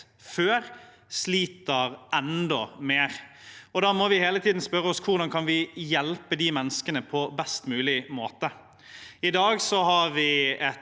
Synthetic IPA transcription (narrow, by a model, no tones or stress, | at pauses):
føːʁ | sliːt̪əɾɛnd̪ɔmeːʁɔd̪ɑːmɔʋɪheːlət̪ʰiːd̪n̩spœɾəɔskʰʊʁd̪ɑnkʰɑnʋɪjɛlpəd̪imɛnːəskənəpʰɔbɛst̪mʉːlɪmoːt̪ə | ɪd̪ɑːɡsɔɦɑɾʋɪɛ